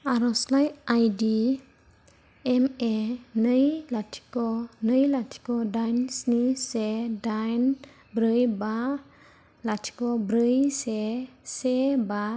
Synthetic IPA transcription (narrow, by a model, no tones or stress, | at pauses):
aɾɔslajajdi | ɛmenɯjlatʰi̥kɔnɯjlatʰi̥kɔdajnsnisedajn | bɾɯjba | latʰi̥kɔbɾɯjseseba